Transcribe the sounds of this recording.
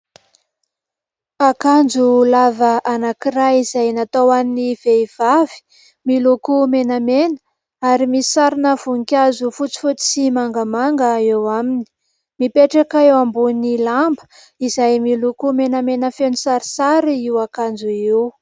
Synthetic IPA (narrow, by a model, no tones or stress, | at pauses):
akand͡zulavəʔanakiɾajizajnat̪owaniniv̥eiv̥avi̥ | milukumenamenə | aɾimisi̥saɾinəv̥uŋkʲazufut͡si̥fut͡si̥simaŋɡamaŋɡəewamini̥ | mipeʈ͡ʂakaewambunilambə̥ | izajmilukumenamenəfenisaɾisaɾiiwakand͡ʒuiw